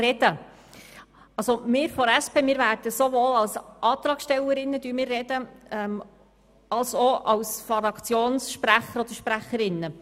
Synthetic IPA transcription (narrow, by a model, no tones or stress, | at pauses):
rɛd̥̪ə | ɑlsomɪːɾfɔɾæspeːmɪːɾvæːɾd̥əsovoːlɑlsʔɑːt̪ɾɑːksʃtɛwəɾɪnːəd̥̪yːmɪːrːɛd̪əɛm | ɑlsoɑwsfɑɾɑkt͡sjoːnsʃpɾæχəɾɔd̪əɾʃpɾæχəɾɪnːə